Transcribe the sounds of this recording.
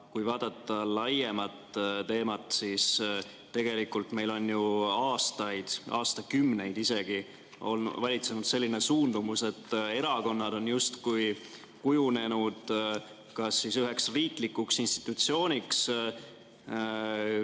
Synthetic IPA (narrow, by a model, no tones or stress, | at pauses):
kujvɑːd̪̥ɑt̪ːˑɑlɑje̞mɑt̪t̪e̞ːmɑt̪sis | t̪e̞ɡ̥e̞likːˑult̪me̞jlo̞njuɑːst̪ɑjd̪̥ɑ̰ːst̪ɑkymːne̞jd̪̥ise̞ɡ̥i | o̞l̰vɑlʲit̪se̞nud̪̥se̞lːine̞suːnd̪umuse̞t̪ːe̞ɾɑko̞nːɑd̪̥o̞njust̪kuj | kujune̞nud̪̥ | kɑsːisyɦe̞ksriːklikːuksinst̪i̥t̪ːˑut̪sio̞ːnʲiks